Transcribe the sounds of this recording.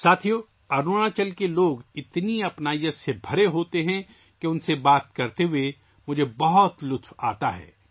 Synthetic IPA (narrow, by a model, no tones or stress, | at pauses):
saːt̪ʰijoː | ɐɾnuːɽ̃at͡ʃɐlkeloːɡɪt̪niɐpnaːijəsebʱɐɾeɦoːt̪eɦɛ̃ | keʊnsebaːt̪kɐɾt̪eɦue | mʊd͡ʒʱebɐɦɔt̪lʊt̪ʰwa̰ːt̪aɦɛ̰ː